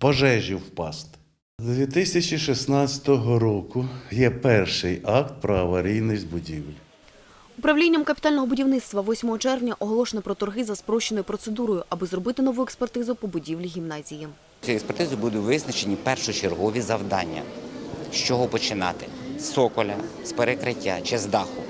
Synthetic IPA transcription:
pɔʒɛʒʲiwpɑst̪ | d̪d̪ʲʋʲit̪ɪsʲɐt͡ʃʲiʃisnɑt͡sʲɐ̥t̪ɔɦɔɾɔkʊjɛpɛrʃɪjɑk̚t̪̚pɾɔɐʋɐɾʲijnɪzbʊdʲiwlʲ | ʊpɾɐwlʲinʲːɐmkɐpʲɪt̪ɑlʲnɔɦɔbʊdʲiwnɪt̪st̪ʋɐʋɔsʲmɔɦɔt͡ʃɛrʋnʲɐʔɔɦɔlˠɔʃenɐpɾɔt̪ɔrɦɪzɐspɾɔʃt͡ʃːenɔjʊpɾɔt̪sed̪uɾɔjʊʔɐbɨzrɔbɪt̪ɪnɔʋujekspert̪ɪzʊpɔbʊdʲiʋlʲiɦʲimnɑzʲiji | sʲujekspert̪ɪzʊbud̪ʊtʲʋɪznɐt͡ʃenʲipɛrʃʊt͡ʃerɦɔʋʲizɐwd̪ɑ̰nʲːɐ̰ʃt͡ʃɔɦɔpɔt͡ʃɪnɑ̰t̪ɪ | sɔkɔlʲɐ̰ | speɾekɾɪtʲːat͡ʃɛzd̪ɑxʊ

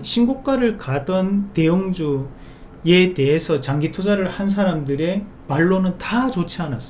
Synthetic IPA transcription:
ɕʰinɡok͈aɾɯɭkadʌnte̞ɯŋd͡ʑu | e̞te̞ɦesʰʌt͡ɕaŋɡitʰod͡ʑaɾɯɭhans̬ʰaɾamdɯɾe̞ | maɭːonɯntat͡ɕot͡ɕʰianas͈

